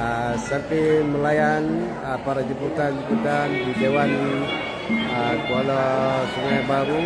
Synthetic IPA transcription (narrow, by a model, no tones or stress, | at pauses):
sant̪iməlajan | əpaɾad͡ʒubut̪and͡ʒubut̪andidewan | əkualɔt̪əŋajbaɾu